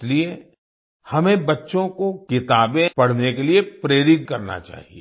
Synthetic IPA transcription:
slie | hɐmẽbɐtːʃõkokɪt̪aːbẽpɐɽ̤nekeliepɾeːɾɪt̪̚kɐɾna̰t͡ʃa̰ːɦieː

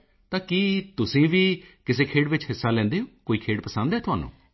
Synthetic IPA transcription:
t̪ãːkiːt̪ʊsĩːʋiːkɪseːkʰeːɽʋɪt͡ʃɦɪsːaːlɛ̃ːnd̪eːõːkoːiːkʰeːɽpəsə̃nd̪ɦɛːt̪ʊɦa̰ːnṵ̃ː

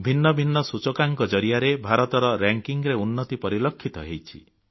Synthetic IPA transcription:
bʱinːɔbʱinːɔsut͡ʃɔkaŋkɔd͡ʒɔɾijaɾebʱaɾɔt̪ɔɾɔɾaŋkiŋɾeunːɔt̪ipɔɾilɔkʰːit̪ɔɦejt͡ʃʰi

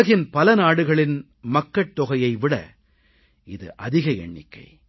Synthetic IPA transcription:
ɐɣɪnpɐlɐnaːɽɯɣɐɭɪn | mɐkːɐʈ̚t̪ːɔɣɐjɐɪʋɪɽɐ̰ | ɪðɯ̰ʔɐðɪɣɐɛ̰ɳːɪ̰kːɐ̰ɪ

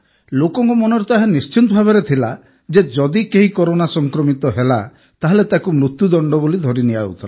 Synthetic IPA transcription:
lokɔŋkumɔnɔɾɔt̪aɦenist͡ʃit̪ɔbʱabeɾet̪ʰila̰ | d͡ʒed͡ʒɔd̪ikeɦikɔɾonasɔŋkɾɔmit̪ɔɦela | t̪aɦelet̪akumɾut̪jud̪ɔɳɖɔbolid̪ʱɔɾiniaṵt̪ʰɔla

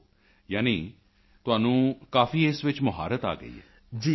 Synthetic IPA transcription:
jaːniː | t̪ʊaːnũːkaːfiːesʋɪt͡ʃmʊɦa̰ːɾət̪a̰ːɡə̰ḭːɛ̰ː | d͡ʒiː

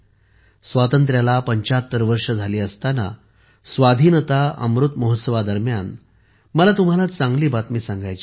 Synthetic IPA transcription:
sʋat̪ənt̪̬ɾjalapəɲt͡ɕaət̪ːəɾʋəɾʂəd͡zʱaliːəst̪ana̰ | sʋad̪ʱiːnət̪aə̰mɾut̪məɦot̪səʋad̪əɾmjan | məlat̪um̤alat͡sãŋɡliːbat̪miːsãŋɡajt͡ɕi

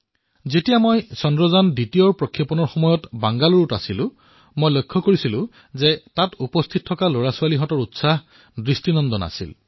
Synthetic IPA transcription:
zetijamojsɔndɹɔzanditijɔɹpɹɔkʰːjɔpɔnɔɹxɔmɔjɔtbaŋɡaluɹutasilʊ̃ | mojlojkʰːɔkoɹisilʊ̃ | zɛtatupɔst̪ʰit̚ʰːɔkaloɹasualiɦɔtɔɹutsah | dɹistinɔndɔna̰sḭl

